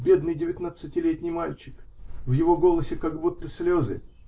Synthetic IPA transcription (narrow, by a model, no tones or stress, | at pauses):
bʲe̞d̪nɨjdʲɪvʲɪt̪nat̪sɨtʲɪlʲet̪ʲnʲɪjmalʲt͡ɕɪ̥kvjɪvo̞ɡo̞lˠəsʲɪkaɡbut̪ːəsʲlʲozɨ̰